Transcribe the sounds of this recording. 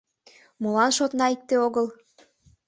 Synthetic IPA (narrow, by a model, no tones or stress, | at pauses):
molɑnʃot̪nɑik̚t̪eoɣəlˠ